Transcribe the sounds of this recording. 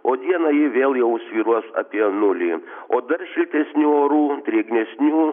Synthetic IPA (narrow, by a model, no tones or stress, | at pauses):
oːd̪ʲiɛnɐjɪʋʲeːlˠjɛʊsʲʋʲiːɾuɔsɐ̰pʲiɛnʊlʲiːoːd̪ɐɾʃʲɪlʲt̪ʲɛsʲnʲuːoːɾuːt̪ʲɾʲeːɡnʲɛsʲnʲuː